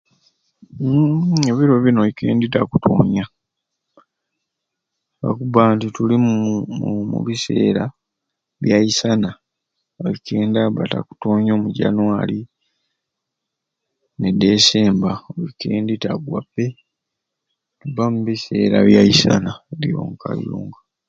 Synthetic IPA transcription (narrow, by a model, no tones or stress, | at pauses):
e̞βiɾo̞βino̞βike̞̰ːnditakutʰoːɲa | βa̰kubaːntitulimumṵβise̞̰ːɾa | βjaisana | oβikeːndaβata̰ku̥toːɲoːmuɟa̰nwaːli | nede̞ːseːmbaoβike̞ːnditaɡwa̰pːe̞ | tubamuβise̞ːɾaβjajisanalḭjo̰ŋka̰ljuːŋɡa